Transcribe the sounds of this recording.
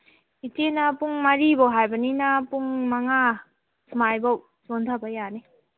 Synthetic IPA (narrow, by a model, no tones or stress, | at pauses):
itenɐpuŋmaɾibɐwɦajbɐninapuŋmaŋa | smajbaw | sontʰabajani